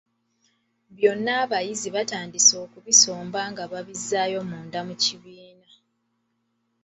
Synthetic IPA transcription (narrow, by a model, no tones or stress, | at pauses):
βjo̞nːaːβajiziβataːndiso̞ːkuβiso̞ːmbaŋɡaβaβizːaːjo̞muːndamuciβiːna